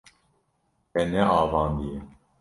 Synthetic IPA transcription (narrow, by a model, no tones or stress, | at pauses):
hɛnɛɑːvɑːnd̪ijɛ